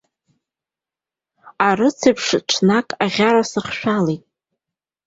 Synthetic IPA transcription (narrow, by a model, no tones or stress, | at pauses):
arɨt͡sʰɨpʰʂʈ͡ʂʰnakʼaʁʲaɾasɨχʃᶣalejtʼ